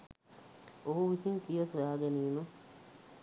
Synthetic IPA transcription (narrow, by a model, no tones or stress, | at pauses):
oɦuʋisinsijəsujaːɡɛniːnu